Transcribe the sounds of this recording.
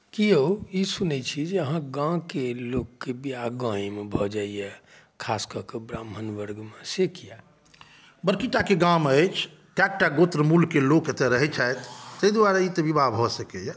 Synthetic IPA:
kioisunɛt͡ʃʰid͡ʒeəɦãɡãkelokːebiaɡãɦimebʱɔd͡ʒaiɛ | kʰaskəkebɾamɦənʋəɾɡmesekija | bəɾkiʈakeɡãmət͡ʃʰ | kak̚ʈaɡot̪ɾəmulkeloket̪eɾəɦɛt͡ʃʰajt̪ːəjd̪waɾait̪əbibabʱɔsəkɛjɛ

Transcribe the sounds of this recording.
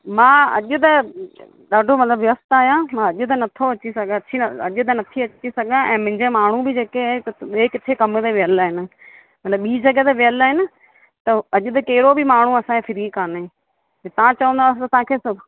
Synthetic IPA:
mãːɐ̰ʄʊt̪ɐ | ɗaːɖʱomɐt̪ləbʋjɐst̪aːɦijãmãɐʄʊt̪̬ɐnɐt̪ʰoɐt͡ɕisɐɡʱãɐt͡ɕʰiɐʄʊt̪̬ɐnɐt̪ʰiɐt͡ɕisɐɡʱãɛ̃ːmʊ̃ɦɪ̃ɲd͡ʑemaːɳ̤ubʱɪd͡ʑeːkeaːet̪ɐɓeːkɪt̪ʰekɐmət̪eʋɪəlaːɦɪnɪ̆ | mɐt̪ləbːiːd͡ʑɐɡət̪eʋɪəlaːɦɪnɪ̆ | t̪ɐɐʄʊt̪ɐkɐɦɪɾobɪmaːɳ̤uɐsãkʰefʰɪɾĩkaːnẽː | t̪ɐʋ̤ãt͡ɕɐʋə̃nd̪aːst̪ɐt̪ɐãːkʰesʊb

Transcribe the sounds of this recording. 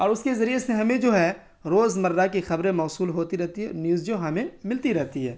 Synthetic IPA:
ɔːɾʊskezɐɾieseɦɐmẽd͡ʒoːɦɛː | ɾoːzmɐɾːak̬ixɐbɾẽmɔːsuːlɦoːt̪iɾɛɦt̪iɦɛɔ̰njuːzd͡ʒoɦɐmẽmɪlt̪iɾɛɦt̪iɦɛ̰ː

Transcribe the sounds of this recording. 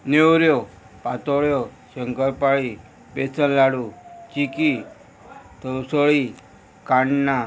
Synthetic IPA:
newɾjo | pat̪oɭjo | ʃəŋkəɾpaɭi | pesənlaɽut͡ʃiki | t̪ʰəwsəɭi | kaɳna

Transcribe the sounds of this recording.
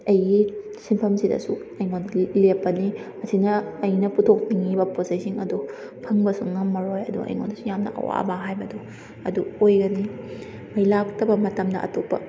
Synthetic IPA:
ɐjɡisimpʰɐmsidɐ̰suɐjŋonilepːɐniɐsinɐːjnɐputʰok̚niŋibɐposajsiŋɐdu | pʰɐŋbɐsuŋːɐmːɐɾojɐdṵɐ̰jŋo̰ndɐsujamnɐ̰ʔɐ̰wa̰bɐɦajbɐdu | ɐ̰duojɡɐni | mɐjlak̚tɐbɐmɐtɐmdɐ̰ɐ̰topːɐ̰

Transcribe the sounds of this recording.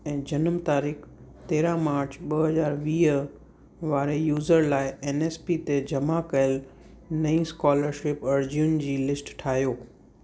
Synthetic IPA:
ɛ̃ːd͡ʑɐnəmt̪aːɾiːxt̪eːɾãmaːɾt͡ɕʰɓɐɦɐzaːɾʋiː | ʋaːɾejuːzəɾlaːɪeːneːspit̪ed͡ʑɐmakɐjəl | nɐĩskaːləɾʃɪpɐɾd͡ʑijʊnd͡ʑiːlɪsʈʈʰaːɦijoː

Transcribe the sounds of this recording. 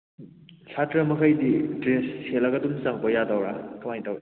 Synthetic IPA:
sʰatɾɐmɐkʰajdidɾesːelɐɡɐdumsaŋpojadawɾakʰɐmajtawɾe

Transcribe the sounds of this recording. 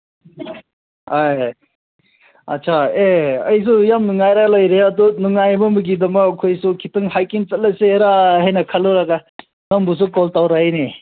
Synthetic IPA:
aj | ɐ̰t̚sʰaeɐjs̬ujamnuŋajɾalɐjɾeɐdunuŋajbɐmuɡidɐmɐːkʰojsukʰitɯŋɦajkint͡ʃɐt̚laseɾaɦɐjnɐkʰaluɾaɡa | nɐmbus̬ukɔltawɾajne

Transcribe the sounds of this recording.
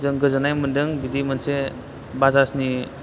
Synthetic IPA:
zɯŋɡɯzanajmɯndɯŋbidimanse | bazasni

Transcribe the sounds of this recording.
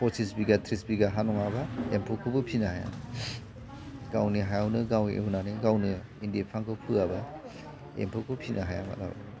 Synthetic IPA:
pɔsisbiɡatʰɾisbiɡaɦanɔŋabaempʰɔkʰɯbɯpʰinahaja̰ | ɡawniɦajawnɯɡawḛunanɯɡawnɯ | indiepʰaŋkɯpʰɯaba | ḛmpʰukʰɯpʰinʔaɦaja̰ma̰la̰ba̰

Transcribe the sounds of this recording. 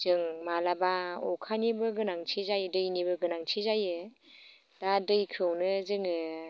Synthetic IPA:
zɯŋmalabaɔkʰanibɯɡɯnaŋtʰizajɯdɯjnibɯɡɯnaŋtʰizajɯ | d̥adɯjkʰɯwnɯzɯŋɯ

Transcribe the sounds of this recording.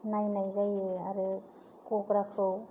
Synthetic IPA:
najnajzajɯaɾɯ | kɔkɾakʰɯw

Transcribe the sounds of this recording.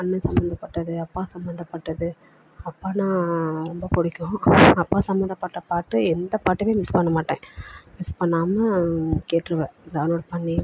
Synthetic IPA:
ɐnːɐsɐmbɐnd̪ɐpːɐʈːɐðɯɐpːaːsɐmbɐnd̪ɐpːɐʈːɐðɯ | ɐpːaːnãːɾɔmbɐpɔɽɪkʲːʊ̃ɐpːaːsɐmbɐnd̪ɐpːɐʈːɐpaːʈːɯɛnd̪ɐpaːʈːɐʋeːmɪspɐɳːɐmaːʈːẽːmɪspɐɳːaːmɐkeːʈːɾɯʋẽːlaːnoːɽɐpɐɳːi

